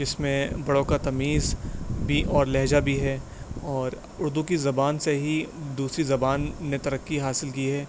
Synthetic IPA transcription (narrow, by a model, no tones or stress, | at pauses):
d͡ʒɪsmẽbɐɽõkat̪ɐmiːzbʱiʔɔːɾlɛɦd͡ʒabʱiɦɛː | ɔːɾ | ʊɾd̪ukizɐbaːnseɦid̪uːsɾizɐbaːnːet̪ɐɾəkːiɦaːsɪlkiɦɛː